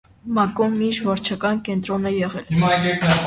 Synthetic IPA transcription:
mɑkumːiʃvɑɾt͡ʃʰɑkɑnkɛnt̪ɾɔnɛjɛʁɛlimɑkɛknɛ

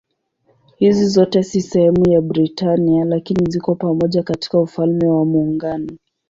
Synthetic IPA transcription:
hizizɔtɛsisɛhɛmujabɾitanialakinizikɔpamɔʄakati̥kaufalmɛwamuːŋɡanɔ

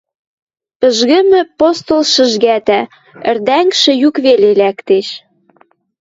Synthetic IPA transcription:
pə̆ʒɣə̆mɘ̆post̪olʃə̆ʒɣæt̪æ | ə̆rd̪æŋʃĕjukβelelækt̪eʃ

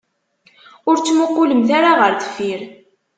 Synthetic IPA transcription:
ʊɾt͡sːmʊqːʊləmθaɾaʁəɾθfiɾ

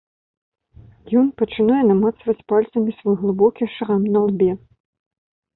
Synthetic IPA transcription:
jɔnpɐt͡ʃɨnajɛnɐmat̪svɐt͡sʲpalʲt̪sɐmʲisvɔjɣlˠɨbɔkʲiʂɾamnɐlˠbʲɛ

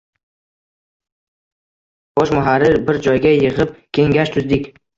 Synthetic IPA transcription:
b̥ɒʃmʊɦaɾːɪɾbɪɾd͡ʒɒjɡʲajɨʁɨp̚kʲʰe̞ŋɡʲaʃt̪ʰʊzd̪ɪkʲ

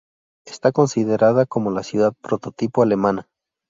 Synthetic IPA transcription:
est̪ako̞nsiðe̞ɾaðako̞mo̞lasjuðaðpɾo̞t̪o̞t̪ipoale̞mãna

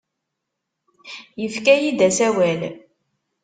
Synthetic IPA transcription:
jəfkæjid̪æsæwæl

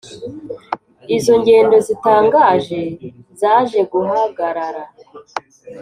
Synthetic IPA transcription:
izo̞ɲɟe̞ːndo̞zitaːŋɡaːʒe̞zaːʒe̞ɡuɦaɡaɾaɾa

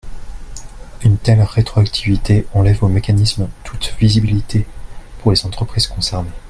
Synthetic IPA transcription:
ynt̪ɛlʁet̪χoak̚t̪ʰivit̪ʰeɑ̃lɛvomekanismt̪ʰu̥t̪vizibilit̪ʰepuʁlezɑ̃t̪χəpχiz̥kɔ̃sɛʁne

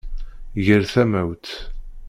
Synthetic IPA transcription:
ʝəɾθæmæwt̪

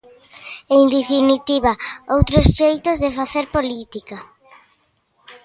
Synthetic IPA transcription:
end̪efinit̪iβaowt̪ɾosʃejt̪ozðefaθeɾpolit̪ika

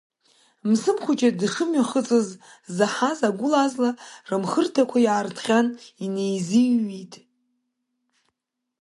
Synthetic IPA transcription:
msɨmχʷut͡ʃʼadχəmɥaχət͡sʼɨz | zaħazaɡʷʊlazlarɨmχərtʰakʷʰajaːrtʰχʲaninejziɥitʼ

